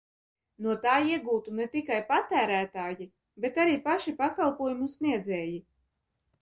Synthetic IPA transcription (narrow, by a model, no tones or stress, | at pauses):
nuɔt̪aːiɛɡuːt̪unɛt̪ikajpat̪æːɾæːt̪aːji | bet̪aɾiːpaʃipakalˠpuɔjumusniɛd̪zɛːji